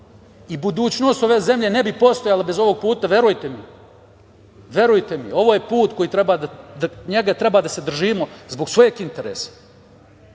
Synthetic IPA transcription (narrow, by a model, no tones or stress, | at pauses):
ibud̪uːt͡ɕno̞ːst̪o̞ʋe̞ːze̞mʎe̞ne̞bipo̞st̪o̞jalabe̞zo̞ʋo̞ɡ̚puːt̪aʋje̞ɾujt̪e̞mi | ʋje̞ɾujt̪e̞mio̞ʋoːjepuːt̪ko̞jiːt̪ɾe̞baːd̪ad̪ɲeɡat̪ɾe̞baːd̪ase̞d̪r̩ʒiːmozbo̞ɡsʋo̞jekint̪e̞ɾḛːsḁ